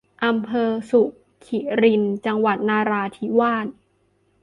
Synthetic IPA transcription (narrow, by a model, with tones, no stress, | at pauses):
ʔa˧mpʰɤː˧su˨˩ʔ | kʰi˨˩ɾi˧nt͡ɕa˧ŋwa˨˩t̪̚naː˧ɾaː˧t̪ʰiː˦waː˥˩n̚